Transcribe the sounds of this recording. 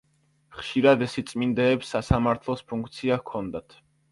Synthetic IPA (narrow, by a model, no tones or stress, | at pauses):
χʃiɾad̪ɛsit̪sʼmind̪ɛːpsːasamaɾt̪ʰlˠɔspʰuŋkʰt̪sʰiakʰɔnd̪at̪ʰ